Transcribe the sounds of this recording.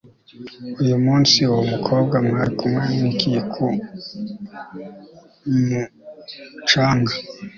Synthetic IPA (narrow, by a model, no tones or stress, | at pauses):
ujumuːnsiwomukʰoːb̚ɡamŋaɾikʰumweːɲikijekʰu | mu | t͡ʃaːŋɡa